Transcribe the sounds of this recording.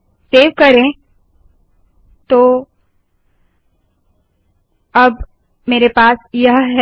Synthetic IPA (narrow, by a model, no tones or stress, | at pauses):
seːʋkɐɾẽ | t̪oː | ɐb | meːɾepaːsjɐɦɦɛ